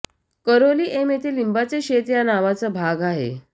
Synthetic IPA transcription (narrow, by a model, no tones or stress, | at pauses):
kəɾoliːʔemet̪ʰelimbat͡seɕet̪janaʋat͡səbʱaɡaɦḛ